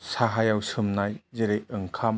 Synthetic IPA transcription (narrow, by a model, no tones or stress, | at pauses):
saɦajawsɯmnajzeɾejɯŋkʰam